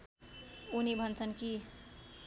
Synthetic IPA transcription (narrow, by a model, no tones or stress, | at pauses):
unibʱʌnt͡sʰʌnki